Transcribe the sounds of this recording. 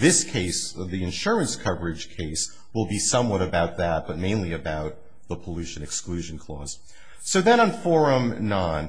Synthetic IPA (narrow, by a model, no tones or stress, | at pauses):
ðɪskʰeɪsðiɨ̃nʃʊɹɨ̃nskʰʌvə˞ɨd̥ʒ̥kʰeɪs | wəlˠbisʌ̃mwʌɾɨbaʊt̪̚ðɨt̚b̥ʌt̚mẽɪ̃nliɨbaʊt̪̚ | ðəpʰəlʉʃɨ̃nɨksklʉʒɨ̃n̩kʰl̥ɔ̰z̥ | soʊðɨ̃ɾ̃ə̃nfɔɹə̃mnɑ̃n